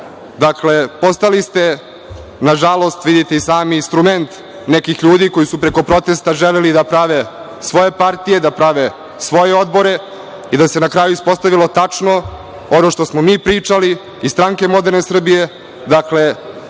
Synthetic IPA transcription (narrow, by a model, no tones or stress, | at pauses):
d̪akle̞po̞st̪alist̪e̞ | naʒalˠo̞st̪ʋid̪it̪eisaːmiːnst̪ɾument̪ | nekixʎuːd̪iko̞jisupɾeko̞pɾo̞t̪e̞st̪aʒelelid̪apɾaʋe | sʋo̞je̞paɾt̪ije̞d̪apɾaʋe | sʋo̞jeo̞d̪bo̞ɾe̞ | id̪ase̞nakɾaːjuispo̞st̪aʋilˠo̞t̪at͡ʂno̞ | ono̞ʃt̪osmomiːpɾiːt͡ʂaliː | st̪ɾaŋke̞mo̞d̪e̞ɾne̞sr̩bije̞ | d̪akle̞